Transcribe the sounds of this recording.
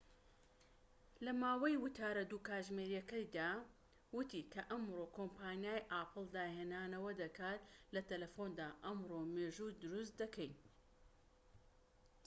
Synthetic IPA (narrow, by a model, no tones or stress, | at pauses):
lɐmaːwɐjwʊt̪ʰaːɾɐd̪uːkaːʒmeɾjɐkɐjd̪aː | wʊt̪ʰiːkʰɐʔɐmɾoːkʰompʰaːnijaːjʔaːpʰɨlˠd̪aːheːnaːnɐwɐd̪ɐkʰaːt̪lɐt̪ɐlɐfond̪aːʔɐmɾomeːʒud̪ʊɾus̬t̪d̪ɐkʰɛjɲ